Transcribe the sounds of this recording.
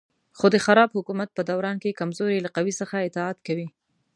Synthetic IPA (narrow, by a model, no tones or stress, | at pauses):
xod̪əxaɾɑbhʊkumat̪̚pəd̪awɾɑnkekamzoɾelaqawisəxaɪt̪ɪɑt̪kawi